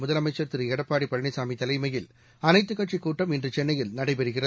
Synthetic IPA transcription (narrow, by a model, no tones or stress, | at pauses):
mʊðɐlɐmɐɪt͡ʃːɐɾt̪ɪɾɛɽɐpːaːɽipːɐɭɐɳɐɪsaːmit̪ɐlɐɪmɐjɪl | ɐnɐɪt̪ːɯkːɐʈt͡ʃikuːʈːɐmɛndrɯt͡ʃɛnːɐjɪlnɐɽɐɪpɛɾɯɣɪrɐ